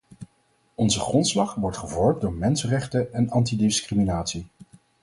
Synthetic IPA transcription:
ɔnzəχrɔntslɑχʋɔɹtχəvɔɹmdʊːɹmɛnsərɛχtəɛnɑntidɪskriminaːtsi

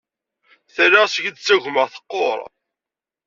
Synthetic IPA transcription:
θrːaʁsəʝəd̪t͡sːæʝməʁθə̥qːo̰ɾˤ

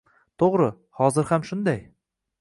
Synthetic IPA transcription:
t̪ʰoʁɾɤ | hɒzɪɾhamʃʊnd̪aj

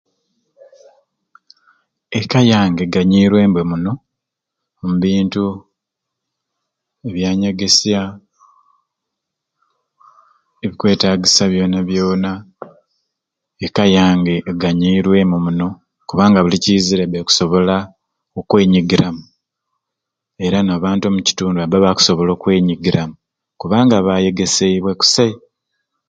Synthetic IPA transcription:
e̞kajaːŋɡeɡaɲiːɾwe̞ːmbwe̞muno̞ | muβiːntu | e̞βjaːɲaɡe̞sja | e̞βikwe̞ːtaːɡisaβjo̞ːnaβjo̞ːna | ekajaːŋɡe̞ːɡaɲiːɾwe̞mumuno̞ | kuβaːŋɡaβuliciziɾeβeku̥so̞βo̞la | okwe̞ːɲiɡiɾamu | e̞ɾanaːβaːntuomuci̥tuːnduabaβaku̥so̞βo̞lo̞ːkwe̞ːɲiɡiɾamu | kuβaːŋɡaβaje̞ɡe̞se̞iβwe̞ku̥sei

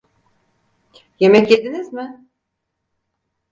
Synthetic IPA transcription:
je̞mɛcjed̪inizmɪ

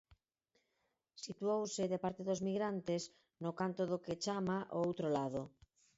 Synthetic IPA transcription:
sit̪uowseðepaɾt̪eðozmiɣɾant̪es | nokant̪oðoket͡ʃamaʔoowt̪ɾolaðo

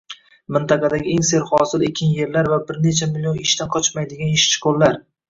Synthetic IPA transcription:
mɪnt̪ɑqɑd̪aɡʲɪe̞ŋse̞ɾχɒsɪlekʲʰːɪnje̞ɾlaɾvabɪɾne̞t͡ʃʰamɪlʲionɪʃt̪anqʰɒt͡ʃmajd̪ɪɡʲanɪʃt͡ʃʰɪ̥kʰɒlˠlaɾ

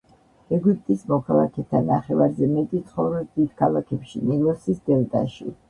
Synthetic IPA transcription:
ɛɡypʼt̪ʼismɔkʰalˠa̰kʰɛt̪ʰanːaχɛvaɾzɛmɛt̪ʼit̪sʰχɔvɾɛsd̪id̪̥kʰalˠakʰɛpʃinilˠɔsisd̪ɛlˠd̪a̰ʃḭ

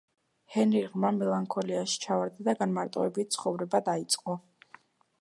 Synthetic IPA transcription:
hɛniʁmamɛlˠaŋkʰɔliaʃi̥t͡ʃʰavaɾd̪ad̪aɡanmaɾt̪ʼɔɛbit̪̚t̪sʰχɔvɾɛbad̪ait̪sʼqʼɔ

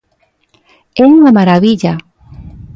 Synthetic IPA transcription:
ɛuŋamaɾaβiʎa

